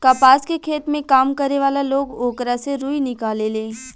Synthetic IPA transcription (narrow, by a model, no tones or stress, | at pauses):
kapaːskekʰeːt̪mẽkaːmkɐɾeʋaːlaloːɡoːkɾaseɾuːinɪkaːlelẽː